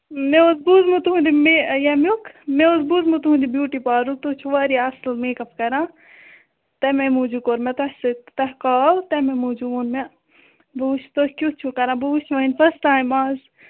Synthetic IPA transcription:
meozbuzmut̪uɦũnd̪imejɐmukmeozbuːzmut̪uɦũnd̪ibjuːʈipaːɾut̪ot͡ʃʰuʋaːɾiaslmeːkɐpkɐɾãː | t̪ɐmemuːd͡ʒukoɾmet̪ɐhsɨt̪ɐɦkaːlt̪ɐmemuːd͡ʒuʋunme | buːʃʰt̪okʲjut͡ʃʰukɐɾãːbuːt͡ʃʰʋɐinfɐsʈaːjmaːz

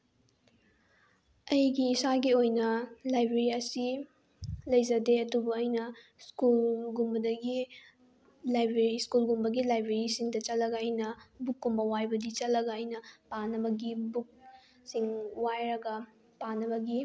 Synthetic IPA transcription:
ɐjɡiːsaɡiojnɐlajbɾeɾiɐsi | lɐjzɐdeɐdubɐɐjnɐ | skulɡumbɐdɐɡi | lajbɾeɾiskulɡumbɐɡilajbɾeɾisiŋdɐt͡ʃɐlːɐɡɐɐjnɐbukːumbɐwajbɐdit͡ʃɐlːɐɡɐɐjnɐpanɐbɐɡibuk̚ | siŋwajɾɐɡɐ | panːɐbɐɡi

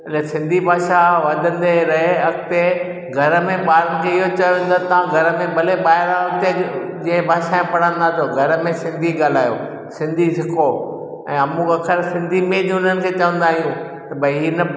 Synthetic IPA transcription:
ɐlesɪ̃nd̪ʱibʱaːʃaʋɐd̪ʱə̃n̆d̪eɾɐɦeɐkʰt̪e | ɡʱɐɾə̆mẽɓaːɾənɪ̆kʰeɪɦot͡ɕɐjoʋẽːnd̪at̪ɐʋ̤ãɡʱɐɾə̆mẽbɐleɓaːɦɪɾãɐkt̪ed͡ʑĩːə̃bʱaːʃaẽpɐɽ̤ə̃n̆d̪at̪ʰjoɡʱɐɾəmẽsɪ̃nd̪ʱiɡaːl̤aːjoː | sɪ̃nd̪ʱisɪkʰo | ɛ̰̃ːɐmũɐkʰəɾsɪ̃nd̪ʱimẽd͡ʑ̃ʊn̤ənɪ̆kʰeːt͡ɕɐʋə̃nd̪aːɦijũ | t̪ɐbʱɐiɦiːnɐ

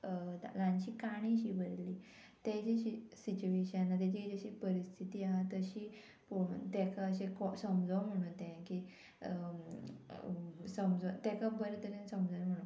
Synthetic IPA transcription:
alãɲt͡ɕiːkaɽ̃ĩɕiːbəɾli | t̪ed͡ʑeɕisit͡ɕueɕãnat̪̬et͡ɕid͡ʑəɕiːpəɾist̪ʰit̪iaɦat̪əɕiː | pot̪ɛkaəɕekɔsəmd͡zʱɔm̤əɽ̃ũt̪ɛ̃ki | səmd͡zt̪ɛkabəɾt̪əɾẽnsəmd͡zʱam̤əɽ̃o

